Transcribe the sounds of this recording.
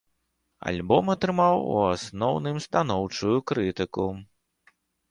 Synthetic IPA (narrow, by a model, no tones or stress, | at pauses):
a̰lʲbɔmɐt̪ɾɨmawṵasnɔwnɨmst̪anɔwt͡ʂujukɾɨt̪ɨku